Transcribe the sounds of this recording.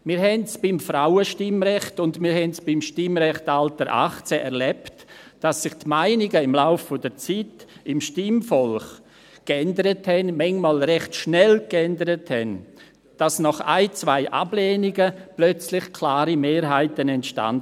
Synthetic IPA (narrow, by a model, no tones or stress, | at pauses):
mɪːɾɦɛntsb̥ɪmfɾaʊəʃtɪmɾɛχtʊndmɪːɾhɦɛntsb̥ɪmʃtɪmɾɛχtaltəɾʔa̰χt͡sɛʔɛɾlɛptd̥asːɪχtmaɪnɪɡəɪmlaʊfːɔdət͡siːtɪmʃtɪmfɔlχ | kɛndəɾəthɛnmɛŋmaːlɾɛχtʃnɛlkɛndəɾəthɛn | d̥asnɔχa̰ɪt͡sv̥aɪʔa̰blɛːnɪɡəplœt͡slɪχkʰlaːɾimeːɾɦaɪtənɛntʃta̰nd